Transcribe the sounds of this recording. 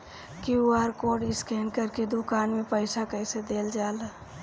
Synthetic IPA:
kiuaɾkoɖɪskɛːnkəɾked̪ukaːnmepəɪsakəɪsed̪eld͡ʒal

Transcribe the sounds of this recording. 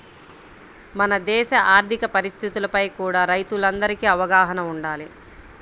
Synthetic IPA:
mɐnɐd̪ɛːʃɐʔaːɾt̪ʰikɐpɐɾist̪ʰit̪ulɐpɐjkuːɽaːɾɐjt̪ulɐnd̪ɐɾikiɐʋɐɡaːɦɐnɐuɳɖaːli

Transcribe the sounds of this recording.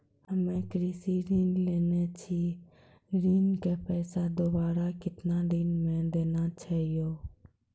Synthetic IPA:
ɦəmẽːkɾiːsiːɾiːnleːneːt͡ʃʰiː | ɾiːnkeːpɛːsaːd̪oːbaːɾaːkɪt̪naːɾiːnmẽːd̪eːnãːt͡ʃʰəɪjoː

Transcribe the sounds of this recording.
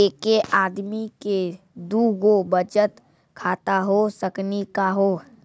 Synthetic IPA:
ekeʔad̪mike | d̪uɡobəd͡ʒət̪ | kʰat̪aɦosəknikaɦo

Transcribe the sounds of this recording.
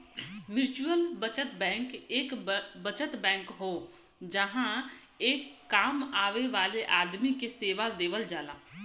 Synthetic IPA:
mɪɾt͡ʃuəlbət͡ʃət̪bɛ̃ːŋkeːkbət͡ʃət̪bɛ̃ːŋkɦoː | d͡ʒəɦã | eːkːaːmaːʋeʋaːleʔaːd̪mikeseːʋad̪eːʋəld͡ʒaːlaː

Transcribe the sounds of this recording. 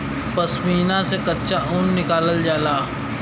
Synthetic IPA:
pɐsmiːnãsekɐtːʃaʔuːnːɪkaːləld͡ʒaːlaː

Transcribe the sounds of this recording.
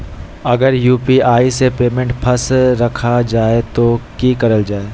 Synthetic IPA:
ɐɡəɾjuːpiaːisepeːmẽɳʈpʰɐsɾɐkʰad͡ʒaːet̪okiːkɐɾəld͡ʒaːeː

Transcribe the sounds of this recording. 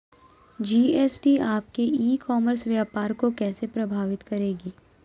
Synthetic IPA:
d͡ʒiːeːsʈiaːp̚keiːkɔːməɾsʋjaːpaːɾkokɛːsepɾɐbʱaːʋɪt̪kɐɾeːɡiː

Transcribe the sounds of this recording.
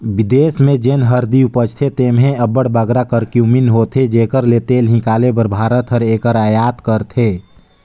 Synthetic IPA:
bɪd̪eːsmẽd͡ʒenɦəɾd̪iupət͡ʃt̪ʰet̪eːmɦẽəbəɽbəɡɾakəɾkjuminɦoːt̪ʰed͡ʒeːkəɾlet̪eːlɦɪ̃kaːlebəɾbʱaːɾət̪ɦəɾeːkəɾajaːt̪kəɾt̪ʰeː

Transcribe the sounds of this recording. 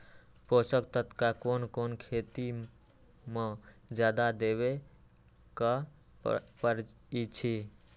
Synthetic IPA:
posəkt̪ət̪kakonkonkʰet̪i | med͡ʒjad̪ad̪eβe | kə | pəɾ | it͡ʃʰi

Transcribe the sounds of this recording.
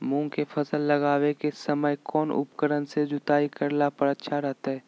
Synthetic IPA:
mũːŋkefʰɐsəlːɐɡaːwekesəməjkɔːnʔʊ̰pkəɾənsed͡ʒʊt̪aːikəɾlapəɾətːʃʰaɾɛɦt̪aɦɛː

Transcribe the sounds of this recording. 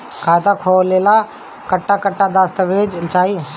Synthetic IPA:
kʰaːt̪akʰoːleːla | kəʈːakəʈːaːd̪aːst̪əʋeːd͡ʒɪlt͡ʃaːiː

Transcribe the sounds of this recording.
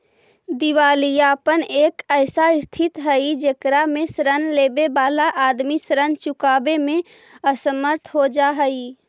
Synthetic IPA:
d̪iwaːlijapəneːkəɪsaɪst̪ʰɪt̪ɦəid͡ʒeːkɾamẽsɾənleːbebaːlaʔaːd̪misɾənt͡ʃʊkaːbemẽ | əsəməɾt̪ʰɦod͡ʒaɦəi

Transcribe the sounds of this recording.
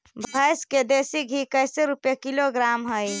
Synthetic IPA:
bʱəjsked̪esiɡʱikəjseɾupjekiloɡɾamɦəj

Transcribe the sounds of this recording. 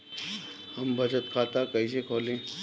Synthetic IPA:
hɐmbʱɐd͡ʒət̪kʰaːt̪akɐis̬ekʰoːlẽː

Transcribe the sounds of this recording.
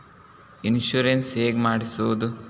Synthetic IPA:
inʃuɾensɦeːɡmaːɽisuʋud̪u

